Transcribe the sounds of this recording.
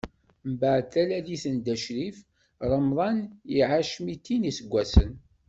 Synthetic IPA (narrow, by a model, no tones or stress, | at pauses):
mbaʕθælæliθənd̪æʃɾif | ɾˤəmðˤɑniʕaʃmit̪ːinisəɡʷːæsən